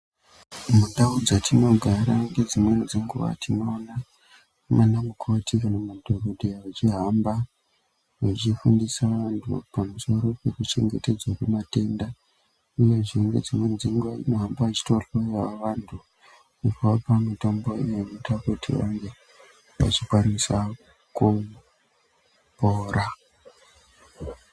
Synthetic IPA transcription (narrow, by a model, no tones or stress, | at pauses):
munɗaud͡zatʰino̞ɡʱaɾaŋɡe̞d͡zimwenid͡zeŋɡuʋa̰tinoːna | manamukʰo̞tʰikanamadʱorodʱiawat͡ʃiɦamba | wat͡ʃifundisaʋantʰṵpamuso̞ɾo̞pe̞kut͡ʃe̞̰ŋɡe̞te̞d͡zwakemate̞nda | uje̞ʐiŋɡḛd͡zimwend͡ziŋɡanoɦambaat͡ʃi̥torojawaʋantʰu | upoapamitomboḭjenotakutʰḭʋa̰ŋɡe̞ | ʋa̰t͡ʃikwaɾisa | ku | poːɾa